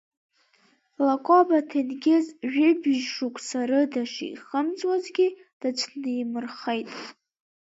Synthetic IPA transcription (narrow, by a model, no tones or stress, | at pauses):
lakʷʼobatʰenɡʲezʒᶣɪbɪʒʂukʷʼsaɾɨdaʂḭiχəmt͡sʼwazɡʲi | d̥at͡ʃʷʰnɨimɨrχejtʼ